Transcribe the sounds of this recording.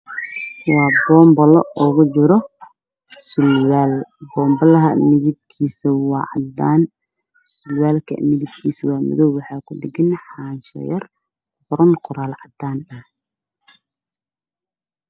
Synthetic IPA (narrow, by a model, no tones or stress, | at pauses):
wɑːbɔːmbɐlɔɔɣʊt͡ʃɪɾɔ | sʊlwaːlbɔːmbɐlɐɦɐmɪðɪb̚kʰiːsɐwɑːʕɑd̪aːn | sʊlwaːlkʰɐ̰mɪðɪb̚kʰiːswɑːmʊ̰ðɔwwɑħɑːkʰʊɖɪɡɪnħɑːnʃɐ̰jɐr | fʊɾɐnqʊɾaːlʕɑd̪aːnɐh